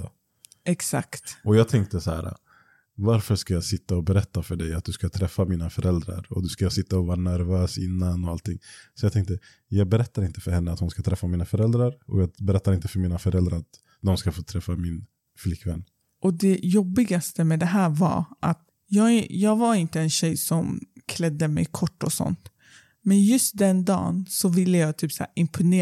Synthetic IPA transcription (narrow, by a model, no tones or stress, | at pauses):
ɛksa̰kt̪ɔjɑːɡt̪ʰɛŋk̚t̪əsahæ̰ːɾa̰ | vaɾfœʂkajɑːsɪt̪ːaɔbɛɾɛt̪ːafœɖɛjat̪̚d̪ɵskat̪ʰɾɛfːamiːnafœɾʔɛld̪ɾa̰ɾɔ̰d̪ɵskajasɪt̪ːaɔvɑːɾanæɾvøːsɪnːanɔalt̪ʰɪŋːsɔjaːt̪ʰɛŋkt̪ə | jɑːɡ̚bɛɾɛt̪ːaɾɪnt̪ə̥fœɾhɛnːəat̪hʊnskat̪ʰɾɛfːamiːnafœɾɛld̪ɾaɾɔ̰jɑːbɛɾɛt̪ːaɾɪnt̪əfœɾmiːnafœɾɛld̪ɾaɾat̪ | d̪ɔmskafoːt̪ʰɾɛfːamɪn | flɪkːvɛnː | ʔɔd̪ɛjɔbːɪɡast̪əmɛd̪ɛɦæːɾvɑ̰ɾʔa̰t̪ | jɑːɡjɑːɡvaɾɪnt̪əɛnɕɛjsɔmkʰlɛd̪ːəmɛ̰jkʰɔʈːɔsɔ̰nt̪ | mɛnjɵst̪̚d̪ɛnd̪ɑ̰ːnsɔvɪlːəjɑːɡt̪ʰyːpsæ̰ːɾɪmpʰʊneː